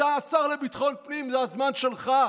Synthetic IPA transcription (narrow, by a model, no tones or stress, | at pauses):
aːsaʁlebit̪χo̞npnimzeazmanʃelχa